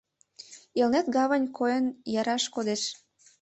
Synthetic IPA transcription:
ilnet̪ɡɑβənʲkʰojənjɑɾɑʃkod̪eʃ

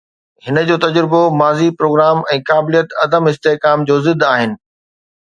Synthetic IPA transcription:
hɪnə̆d͡ʑoːt̪ɐd͡ʑɾɪbomaːzipɾoːɡɾaːmɛ̃ːkaːbɪlijət̪ɐd̪əmɪst̪eːkaːmd͡ʑoːzɪd̪ʱaːɦɪnɪ̆

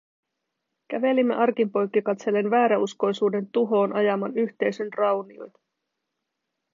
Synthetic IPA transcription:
k̟æʋe̞limːeʔɑrkimpo̞jkːikɑt̪se̞lːe̞nʋæːɾæusko̞jsuːde̞nt̪uɦo̞ːnʔɑjɑmɑnyçt̪e̞jsønrɑwnio̰jt̪ɑ̥

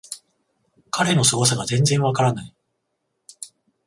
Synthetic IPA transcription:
kʰaɾe̞no̞sɨɡo̞s̬aɡazẽ̞nzẽ̞ɰ̃βakaɾanai

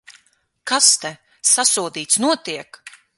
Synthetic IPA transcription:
kast̪ɛ | sasuɔd̪iːt̪snuɔt̪iɛk

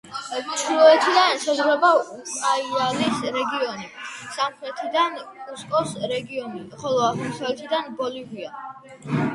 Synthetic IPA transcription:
ɛvislɔɛt̪ʰid̪ansazʁɾɛbaukʼaivalisɾɛɡiɔnisamχɾɛt̪ʰid̪ankʼuskʼɔsɾɛɡiɔniχɔlˠɔaχɔmsaɛt̪ʰid̪anbɔlivia

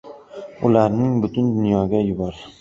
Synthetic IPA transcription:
ʊlaɾnɪŋbʊt̪ʰʊnd̪ʊnjɒɡʲajʊbɒɾ

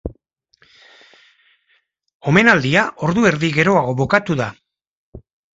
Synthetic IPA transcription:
o̞me̞nald̪iaʔo̞ɾðue̞ɾðiɣe̞ɾo̞aɣ̞o̞βokat̪uða

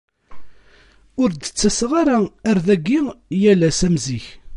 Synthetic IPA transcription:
ʊɾd̪ət͡sːæsʁaɾææɾðæɡːijælæsæmziç

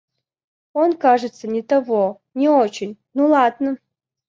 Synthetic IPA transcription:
onkaʐɨt̪sːənʲɪt̪ɐvo | nʲiot͡ɕɪnʲnolˠad̪nə

